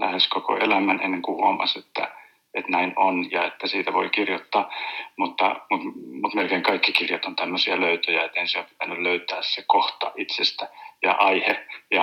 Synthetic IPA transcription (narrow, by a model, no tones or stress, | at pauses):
læ̰heskoko̰ʔelæmænenːeŋkuʋo̰ːmːɑ̰set̪ːæ̰ | et̪næinonjɑet̪ːæsiːt̪æʋoikirjot̪ːɑːmut̪ːɑ̰mut̪mut̪melkeiŋkɑikːikirjot̪ont̪æmːøsiɑløyt̪øjæet̪enseompi̥t̪ænːylløyt̪æːssekoht̪ɑ̰ʔit̪sest̪æjɑ̰ʔɑihejɑ